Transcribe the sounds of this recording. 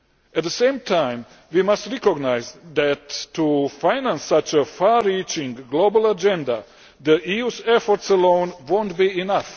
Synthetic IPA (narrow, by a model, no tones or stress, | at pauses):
ɛt̪̚d̪əsẽɪmtʰãj̃m | wimastɹɛkoɡnajzd̪ætːufajnãnsːat͡ʃəfaɾit͡ʃĩŋɡɡlobəlad͡ʒɛ̃nda | d̪əʔiusɛfɔɾtsəlõʊ̃nʋõʊ̃ntbiinaf